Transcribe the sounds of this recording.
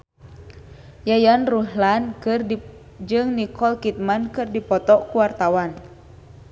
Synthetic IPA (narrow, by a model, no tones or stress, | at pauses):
jajanruɦlankr | d͡ʒɨŋnikɔlkit̪̚mankɨrdipɔt̪ɔkuwart̪awan